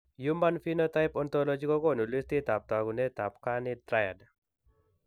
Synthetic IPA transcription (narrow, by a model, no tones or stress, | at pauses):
jumanfinot̪aɪpɔnt̪ɔlɔd͡ʒikɔkɔnulist̪it̪ap̚t̪aɡunet̪apkanitɾajad